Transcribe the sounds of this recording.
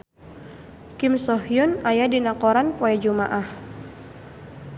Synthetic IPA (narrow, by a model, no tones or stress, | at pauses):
kɪmsɔhijunajadinakɔɾanpɔɛd͡ʒumaʔah